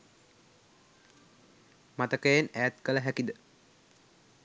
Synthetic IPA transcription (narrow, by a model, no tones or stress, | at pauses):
mat̪əkəjanæjæt̪kələɦækid̪ə